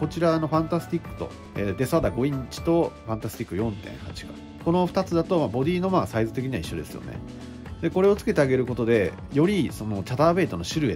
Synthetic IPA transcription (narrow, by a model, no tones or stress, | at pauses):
ko̞t͡ɕiɾano̞ɸãnt̪asɨ̥t̪ʲikːɯ̟̥t̪o̞̰ | eːd̪e̞sad̪aɡo̞ĩɲ̟t͡ɕi̥t̪o̞ɸãnt̪asɨ̥t̪ʲikːɯjõ̞nt̪ḛ̃hat͡ɕi̥kḁ̰ | ko̞no̞ɸɯ̟̥t̪at͡sɨd̪at̪o̞mabo̞d̪ʲiːno̞maːsaizɨt̪e̞kʲiɲiβaiɕːo̞̰d̪e̞sɨ̰jo̞̰nḛ | d̪e̞ko̞ɾe̞o̞t͡sɨ̥ke̞t̪eaɡe̞ɾɯ̟ko̞t̪o̞d̪e̞ | jo̞ɾʲiso̞no̞t͡ɕat̪aːbe̞ːt̪o̞no̞ɕɨɾɯ̟e